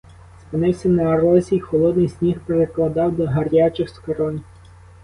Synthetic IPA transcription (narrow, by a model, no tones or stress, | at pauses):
spɪnɪwsʲɐnɐːɾɔzʲixɔlˠɔd̪nɪjsʲnʲixpeɾeklˠɐd̪ɑwd̪ɔɦɐɾʲat͡ʃɪxskɐɾɔnʲ